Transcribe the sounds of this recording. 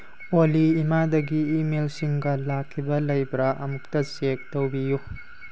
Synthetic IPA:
oliːmadɐɡiːmelsiŋɡɐlakʰːibɐlɐjbɾɐʔɐmuk̚tɐsek̚towbiju

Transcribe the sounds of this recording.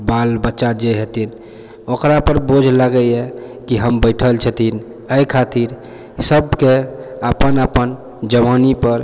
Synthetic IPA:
balbətːt͡ʃad͡ʒeɦet̪in | okɾapəɾbod͡ʒʱlaɡəekiɦəmbəɪʈʰəlt͡ʃʰət̪ʰin | əjkʰat̪iɾ | səbkeəpənəpən | d͡ʒəʋanipəɾ

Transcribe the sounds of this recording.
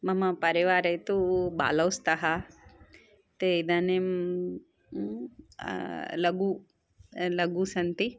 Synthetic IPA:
mɐmɐpɐɾiʋaːɾɐjt̪uba̰ːlɐwst̪ɐɦɐ | t̪eid̪ɐnem | lɐɡu | lɐɡusɐnt̪i

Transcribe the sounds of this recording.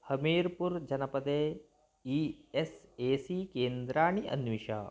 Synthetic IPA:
hɐmeːɾpuɾd͡ʒɐnɐpɐd̪eː | ieseːsikeːnd̪ɾaːɳ̃iʔɐ̰nʋiʃa̰ː

